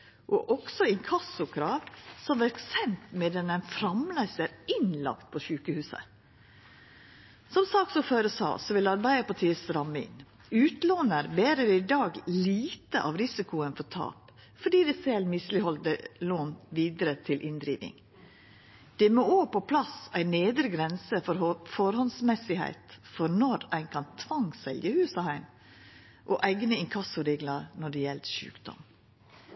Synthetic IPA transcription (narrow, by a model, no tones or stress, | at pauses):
ʔɔʔɔɡsɔɪnkʰɑsʊkʰɾɑːʋsɔmʋæɾksɛnt̪mɛd̪ɛnænfɾɑmlæɪsəɾɪnlɑ̰kt̪̚pʰɔʃʉːkəhʉːsə̰ | sɔmsɑːksɔføːɾəsɑ̰ːsɔʋɪlɑɾbæɪəpɑʈʰiːəsɾɑmːəɪ̰n | ʉːt̪loːnəɾbeːɾəɾəɪd̪ɑːɡliːt̪əʔɑ̰ːʋɾɪsɪkʊənfɔtʰɑ̰ːp | fɔɖiːd̪ɛsɛlmɪslɪhɔld̪əloːnʋiːd̪əɾət̪ʰɪlʔɪnd̪ɾiːʋɪ̰ŋ | d̪̥ɛmooːpɔpʰlɑsæɪneːd̪ɾəɡɾɛnsəfɔɾfɔɾhɔnsmɛsɪhæ̰ɪt̪fɔɾnɔɾæɪnkʰɑnt̪ʰʋɑŋsɛ̰ljəhʉːsɑhæɪn | ʔoʔæɪɡnəɪŋkʰɑsʊɾeːɡlɑɾnɔɖɛjɛlʃʉ̰ːkd̪ɔ̰m